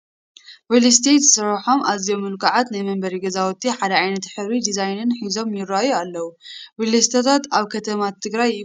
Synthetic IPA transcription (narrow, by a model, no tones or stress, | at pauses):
wilist̪ʰet̪sɨɾħo̞mʔazijo̞mːɨlkʰaʕat̪najmɐmbɐɾiɡɐzawɔt̪ʰːiħad̪ɐʕajnɐt̪ħɨβɾid̪izajnɨnħizo̞mjɪɾːajualːɐwuwilɐst̪ʰɐt̪ʰat̪aβkʰɐt̪ʰɐmat̪ʰːɨɡɾaj